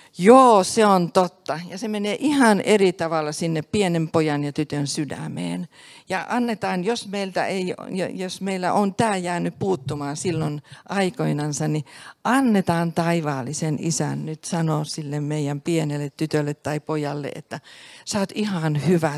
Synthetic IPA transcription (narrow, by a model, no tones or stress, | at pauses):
joːseont̪ot̪ːɑjɑsemeneːʔihɑnʔerit̪ɑʋɑlːɑsinːeppienempojɑnjɑt̪yt̪ønsydæ̰mḛːnjɑʔɑnːet̪ɑːnjosmeilt̪æ̰eij̰josmeilːæ̰ʔont̪æːjæːnyppuːt̪ːumɑːnsilːonʔɑikoinɑnsɑnniʔɑnːet̪ɑːnt̪ɑiʋɑːlːˑisenʔḭsæ̰nnyt̪sɑnosilːemmeijæmpienelːet̪t̪yt̪ølːet̪tɑipojɑlːḛḛt̪ːæsɑːt̪ihɑnhyʋæ